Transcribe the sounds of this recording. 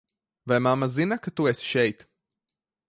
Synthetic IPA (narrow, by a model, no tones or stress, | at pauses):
vajmamːazinakat̪uesʃɛjt̪